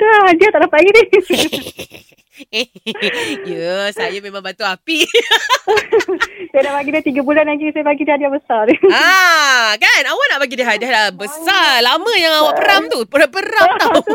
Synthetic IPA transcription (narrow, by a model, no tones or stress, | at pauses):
dahadiat̪aʔnapaɡidi | jəsajamemãŋbant̪uapi | sajadapaɡidat̪iɡabulanaɡisajapaɡidihadiahbəsara | kanawaʔnaʔpaɡidiɦadiahdaʔbəsalaməjaŋawaʔpəɾamt̪upəapəɾat̪au